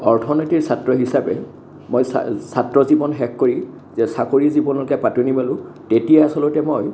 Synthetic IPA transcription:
ɔɹtʰɔnɔjtiɹsatɹɔɦisabɛ | mojssatɹɔzibɔnɦɛkːoɹi | zɛsakoɹizibɔnɔlkapatunibalʊ̃tetijaasɔlʊtɛmoj

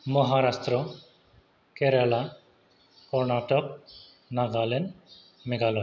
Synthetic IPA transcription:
mɔɦaɾast̪ɾɔ | keɾala | kɔɾnaʈɔk̚ | naɡalɛn | mɛɡalɔ

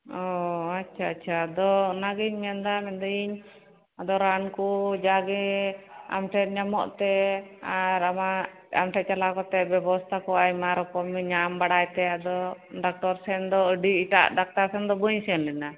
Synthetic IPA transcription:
ɔatːt͡ʃʰaːtːt͡ʃʰaːd̪ɔnaɡiɲmɛand̪amɛd̪ɔiɲ | ad̪ɔɾankud͡ʒaɡɛ | a̰mʈʰɛt̪̚ɲamɔ̰ʔt̪ɛaɾama | a̰mʈʰɛt̪̚t͡ʃalakɔt̪ɛbɛbɔst̪ʰakɔajmaɾɔkɔmɲambaɽajt̪ɛad̪ɔ | ɖak̚ʈɔɾsɛnd̪ɔəɖiiʈa̰ʔɖak̚t̪aɾsɛnd̪ɔbəɲsnlɛna

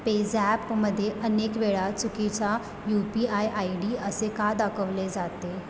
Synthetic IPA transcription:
ped͡zæpməd̪ʱːjeʔənekʋeɭat͡sukit͡ɕa | jupiajʔaiɽiəsekad̪akʰəʋled͡zat̪e

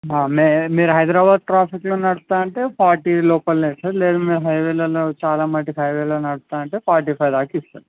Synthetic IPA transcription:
aːmemiːɾuɦɐjd̪ɾaːbaːd̪̚ʈɾaːpʰikloːnɐɽut̪aːɐɳʈe̞ːpaːɾʈiːlɔːpɐlneːsɐɾleːd̪aːmiːɾuɦɐjʋeːloːlot͡ʃaːlaːmɐɳʈiɦɐjʋeːloːnɐɽut̪ːaːɐɳʈe̞ːpaːʈipʰɐjd̪aːkist̪aːɾi

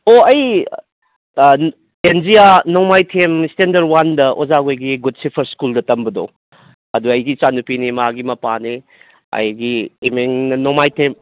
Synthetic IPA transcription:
oɐj | enzijanomajtʰemistendɐɾwandɐʔozaɡojɡiɡud̚sipʰɐɾskuldɐtɐmbɐdo̰ | ɐduɐjɡit͡ʃanupinimaɡimɐpani | ɐ̰jɡijmeŋnɐnomajtʰem

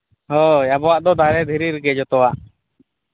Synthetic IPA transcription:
hɔjabɔwaʔd̪ɔd̪ʱaɾɛd̪ʱiɾiɾɡɛd͡ʒɔt̪ɔwaʔ

